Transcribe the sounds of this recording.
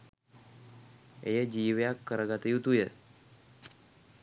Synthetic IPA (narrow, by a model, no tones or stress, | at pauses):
ḛjed͡ʑiʋjakːəɾəɡat̪əjut̪uje